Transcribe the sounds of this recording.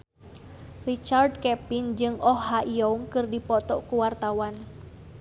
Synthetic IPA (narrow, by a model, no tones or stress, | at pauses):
rit͡ʃard̚kɛpind͡ʒɨŋɔhɦaʔiɔuŋkɨrdipɔt̪ɔʔkuwart̪awan